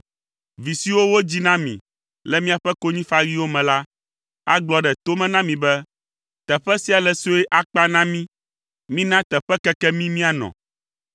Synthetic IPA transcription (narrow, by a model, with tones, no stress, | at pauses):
vi˨si˦wo˦wo˦d͡ʑi˦nã˦mḭ̃˨ | lɛ˦mĩ˦a˨ɸɛ˦ko˦ɲĩ˦fa˦ɾi˦wo˦mɛ̃˨la˦ | a̰˦ɡ͡blɔ˦ɖɛ˨t̪o˦mɛ̃˦nã˦mĩ˨bɛ˦ | t̪ɛ˨ɸɛ˦si˦a˨lɛ˨so˦ɛ˦ʔa˨k͡pa˦nã˦mĩ˦ | mĩ˦nã˦t̪ɛ˨ɸɛ˦kɛ˦kɛ˦mĩ˦mĩ˦a˨nɔ̰̃˨